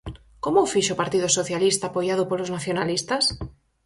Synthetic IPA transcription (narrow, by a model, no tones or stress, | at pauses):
komoufiʃopaɾt̪iðosoθjalist̪aːpojaðopoloznaθjonalist̪as